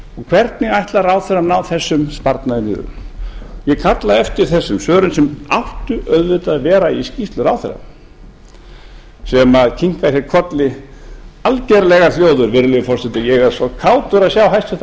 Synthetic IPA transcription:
ɔɣkʰv̥ɛɾt̪nɪɣajht̪laɾawθɛranawθɛsːʏmspaɾt̪naðɪnḭːðʏ̰mjɛkʰat̪laðɛft̪ɪɾ̥θɛsːʏmsœːɾʏnsɛma̰ht̪ʏʔœɥðvɪt̪aðvɛːɾaiscift̪lʏɾawθɛ̰ɾa̰m | sɛmaðcʰiŋ̥kasjɛɾkʰɔt̪lɪ | alcɛɾlɛɣaljoːwðʏɾvɪɾlɪfɔɾ̥sɛt̪ɪjɛɣɛɾsɔkʰaːwt̪ʏɾaðsjawɦajst̪ɛht̪

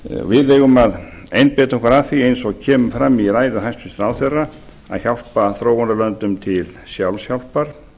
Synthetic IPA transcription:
vɪðlɛːɣʏmaðejnpɛːt̪aɔŋkvaɾafiejnsɔɣcʰɛːmʏmfɾamːiɾaːjðaɦajst̪fɪnst̪ɾawθerːa | a̰ðçawl̥paθɾowɔnalœnt̪ʏmt̪ʰɪlsjawlsjawl̥paɾ̥

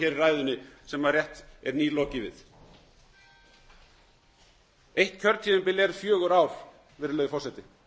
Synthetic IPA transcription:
çɛːɾɪraːjðʏnɪsɛmarjɛht̪ɛɾniːlɔːcɪvɪ̰ð | ejht̪cʰœɾt̪ʰiðɪmpɪlɛɾfjœːɣʏɾawɾ̥ | vɪɾlœːjðɪfɔrsɛt̪ɪ

